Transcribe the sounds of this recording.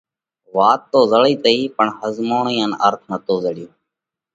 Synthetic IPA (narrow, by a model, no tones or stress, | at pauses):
ʋaːt̪ːoːzəɭiːt̪əiːpəɳhəzmoːɳĩːənə̰ɾt̪ʰnət̪oːzəɽɪjoː